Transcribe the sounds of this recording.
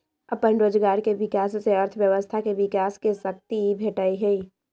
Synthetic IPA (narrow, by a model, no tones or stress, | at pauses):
əpə̃nɾoːd͡ʒɡaːɾkeʋɪkaːsseəɾt̪ʰʋjəʋəst̪ʰakeʋɪkaːskesək̚t̪ibʱeːʈaːiɦɛi